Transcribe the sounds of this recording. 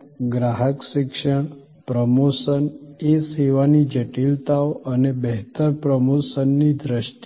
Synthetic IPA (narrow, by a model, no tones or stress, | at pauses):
ɡɾaɦəkʃɪkʃəɳ̃ | pɾəmosəneseʋanid͡ʒəʈilt̪aoʔənebəɦt̪əɾpɾəmosənːid̪ɾəʃʈ